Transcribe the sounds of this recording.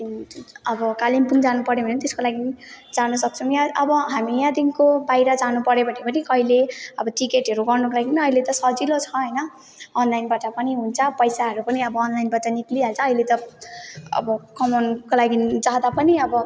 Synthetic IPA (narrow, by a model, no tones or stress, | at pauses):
iʌbʌkalimpuŋd͡zanupʌɾebʱʌnet̪eskolaɡinid͡zanʌsʌk̚t͡sʰʌw̃jaʌbʌɦamijãd̪inkobajɾʌd͡zanupʌɾjebʱʌnepʌnikʌɦileʌbʌʈikeʈɦʌɾuɡʌrnukolaɡinʌilet̪ʌsʌd͡zilot͡sʰʌɦʌjnʌː | nlajnbaʈʌpʌniɦunt͡sʰʌpʌjsaɦʌɾupʌniʌbʌːnlajnbaʈʌnikliɦalt͡sʰʌːjlet̪ʌ | ʌ̰bʌkʌmʌnkolaɡid͡zad̪apʌniʌbʌ